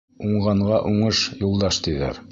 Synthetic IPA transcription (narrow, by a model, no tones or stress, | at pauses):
uɴɢɑɴʁɑʔuɴɤʃjulˠd̪ɑʃt̪iðæ̰ɾ